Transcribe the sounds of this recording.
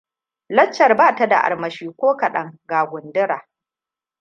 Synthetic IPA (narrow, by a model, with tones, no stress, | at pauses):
lɐ˦t͡ʃːɐ˨rbaː˦˨ta˨da̰˨ʔa̰˨ɽmɐ˨ʃiː˦kʷoː˦kɐ˨ɗɐ˦ŋɡaː˨ɡʷʊ˨ndɪ˦ɾaː˨